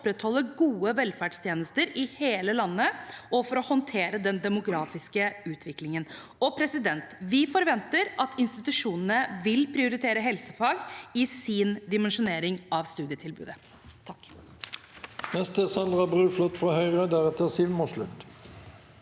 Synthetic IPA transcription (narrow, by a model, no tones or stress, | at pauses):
pɾɛt̪hɔlːəɡuːəʋɛlfæɖst̪ʰjeːnəst̪əɾɪheːləlɑnːəʔɔfɔɾɔhɔnt̪ʰeːɾəd̪ɛnd̪ɛmʊɡɾɑːfɪskəʉːt̪ʰʋɪklɪŋən | ɔpʰɾɛsɪd̪ɛnt̪ʋɪfɔɾʋɛnt̪əɾʔɑt̪ɪnst̪ɪt̪ʉʂuːnənəʋɪlpʰɾɪʊɾɪt̪ʰeːɾəɦɛlsəfɑːɡɪsɪnd̪ɪmɛnʂʊneːɾɪŋʔɑʋst̪ʉːd̪ɪət̪ʰɪlbʉ̰ːd̪ə | nɛst̪əsɑnd̪ʁɑbʁʉːflɔt̪ːfʁɑːhœʏʁəd̪æʁɛt̪əʁsiːʋmɔslʉt̪